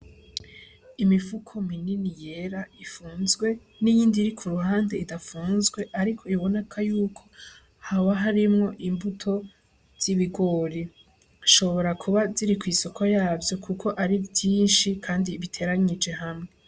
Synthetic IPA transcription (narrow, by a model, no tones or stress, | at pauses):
imifukʰomininijeɾaifuːnzɡwe̞ | nijiːndiɾikʰuɾuhaːnde̞idafuːnzɡwe̞ʔaɾikʰo̞iβo̞ne̞kʰajuːkʰo̞ | haβaɦaɾimŋo̞ʔimbutʰo̞ | z̥iβiɡo̞ːɾi | ʃo̞βo̞ɾakʰuβaziɾikwiːso̞kʰojaːvjo̞kʰukʰo̞ʔaɾivjiːnʃikʰaːndiβitʰe̞ɾaɲid͡ʒe̞ɦamŋe̞